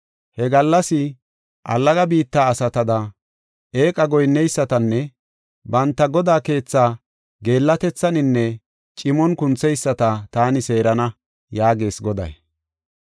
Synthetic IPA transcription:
hɛɡɐlːɐsɪ | ʔɐ̰lːɐɡɐbiːt̪ːaːɐsɐt̪ɐd̪ɐ | e̞ːkʼɐɡɔjnːɛjsːɐt̪ɐnːɛ | bɐnt̪ːɐɡɔd̪aːke̞ːt͡sːaː | ɡe̞ːlːɐt̪ɛt͡sːɐnɪnːɛ | t͡ʃʼɪmɔnkʊnt͡sːɛjsːɐt̪ɐt̪aːnɪse̞ːɾɐnɐ | jaːɡe̞ːsɡɔd̪ɐ̰j

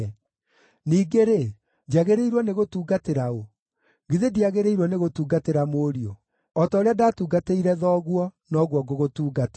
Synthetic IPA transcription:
niːɡeɾe | d͡ʑaɣeɾeiɾwɔneɣotuːɡateɾao | ɡiðediaɣeɾeiɾwɔneɣotuːɡateɾamoːɾio | ɔtaoɾeadaːtuːɡateiɾɛðɔːɣwɔnɔɣwɔɡoɣotuːɡat

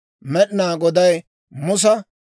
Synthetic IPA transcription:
mɛɗɪnaːɡɔd̪ɐj | mʊs̬ɐ

